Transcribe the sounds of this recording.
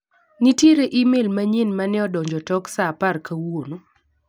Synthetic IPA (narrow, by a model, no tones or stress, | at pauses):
nitjeɾeʔimelmaɲinmanɪɔdɔɲd͡ʒɔtɔksaparkawono